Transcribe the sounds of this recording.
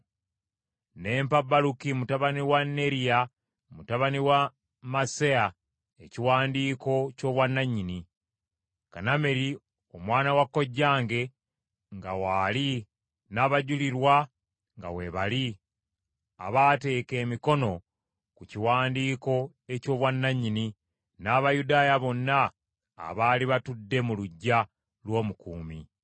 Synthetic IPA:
ne̞ːmpabːalukimutaβaniwanːe̞ɾija | mutaβaniwa | masea | eciwaːndiːko̞co̞ːβwanːaɲini | kaname̞ɾi | o̞mwaːnawakːo̞ɟːaːŋɡe̞ | ŋɡawaːli | naːβaɟuliɾwa | ŋɡa̰we̞βali | a̰βaːte̞ːke̞ːmiko̞no̞ | kuciwaːndiːko̞ | e̞co̞ːβwanːaɲːini | naːβajudaːjaβo̞nːa̰ː | βaːliβatudːe̞muluɟːa | lwo̞ːmukuːmḭ

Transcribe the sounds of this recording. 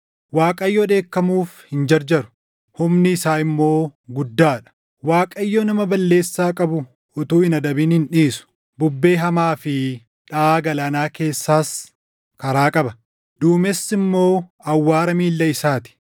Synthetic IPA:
waːkʼɐjːoᶑ̪e̞ːkːɐmuːfhɪnd͡ʒɐɾd͡ʒɐɾʊ̥ | hʊmnɪːsaːɪmːo̞ːɡʊd̪ːaːᶑɐ̥ | waːkʼɐjːonɐmɐbɐlːe̞ːsːaːkʼɐbʊ | ʔʊt̪uːɪnɐd̪ɐbiːnhɪnᶑiːsʊ̥ | bʊbːe̞ːɦɐmaːfɪ | ᶑaːɡɐlɐːnaːke̞ːsːaːs | kɐɾaːkʼɐbɐ | d̪uːmɛsːɪmːo̞ːɐwːaːɾɐmiːlːɐɪsaːt̪ɪ̥

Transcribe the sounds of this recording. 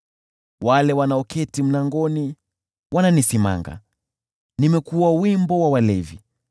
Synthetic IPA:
walɛwanaɔkɛtim̩naŋɡɔni | wananisima̰ŋɡa̰ | nimɛkuwawimbɔwawalɛvi

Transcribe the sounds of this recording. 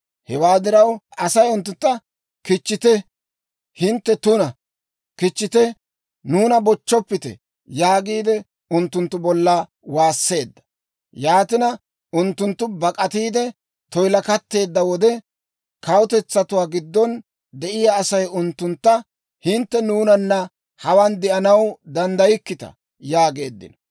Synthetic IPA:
hɛwaːd̪ɪɾɐwʔɐsɐjʊnt̪ːʊnt̪ːɐ | kɪt͡ʃːɪt̪ɛ | hɪnt̪ːɛt̪ʊnɐ | kɪt͡ʃːɪt̪ɛ | nuːnɐbɔt͡ʃːɔpːɪt̪ɛ̰ | jaːɡiːd̪ɛ | ʊnt̪ːʊnt̪ːʊbɔlːɐ | waːsːe̞ːd̪ːɐ̥ | jaːt̪ɪnɐ | ʊnt̪ːʊnt̪ːʊbɐkʼɐt̪iːd̪ɛ | t̪ɔjlɐkɐt̪ːe̞ːd̪ːɐwɔd̪ɛ | kɐwʊt̪ɛt͡sːɐt̪ʊwaːɡɪd̪ːɔn | d̪ɛʔɪjaːsɐjʊnt̪ːʊnt̪ːɐ | hɪnt̪ːɛnuːnɐnːɐ | hɐwɐnd̪ɛʔɐnɐwd̪ɐnd̪ɐjɪkːɪt̪ɐ̰ | jaːɡe̞ːd̪ːɪ̰nɔ

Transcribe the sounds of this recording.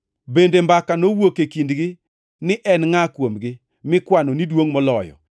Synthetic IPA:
bendembakanowokekindɡɪ | nɪʔɛnŋakwomɡɪ | mɪkwanonidwoŋmɔlɔjɔ̰

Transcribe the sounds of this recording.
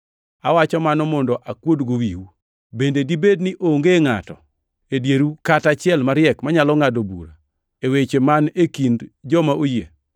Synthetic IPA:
a̰wat͡ʃɔmanɔmɔndɔʔakwodɡowiwu | bendedibednɪʔoŋɡeŋa̰tɔ̰ | edjeɾukatat͡ʃɪɛlmaɾɪɛkmaɲalɔŋadobṵɾa̰ | ewet͡ʃemanekindd͡ʒɔmaʔoje

